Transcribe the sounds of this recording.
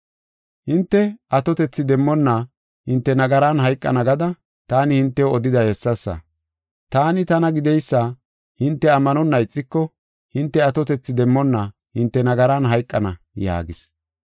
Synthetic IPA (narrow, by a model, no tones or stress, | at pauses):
hɪnt̪ːɛɐt̪ɔt̪ɛt͡sːɪd̪ɛmːɔnːɐ | hɪnt̪ːɛnɐɡɐɾanɦɐjkʼːɐ̰nɐɡɐd̪ɐ | t̪aːnɪhɪnt̪ːɛoɔd̪ɪd̪ɐhɛsːɐsːɐ̰ | t̪aːnɪt̪ɐnɐɡɪd̪ɛjsːaː | hɪnt̪ːɛɐmːɐnɔnːɐjt͡sʼːɪkːɔ | hɪnt̪ːɛɐt̪ɔt̪ɛt͡sːɪd̪ɛmːɔnːɐ | hɪnt̪ːɛnɐɡɐɾanɦɐjkʼːɐnɐ̰ | ja̰ːɡɪs